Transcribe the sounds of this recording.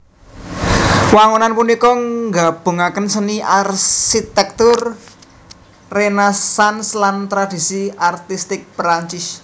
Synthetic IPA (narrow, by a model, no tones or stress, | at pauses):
waŋonanpunikɔŋɡab̥o̤ŋakənsəniʔarʃit̪ɛk̚t̪ʊr | enesanslant̪ɾad̥isiart̪ist̪ɪk̚pɾaɲt͡ʃɪs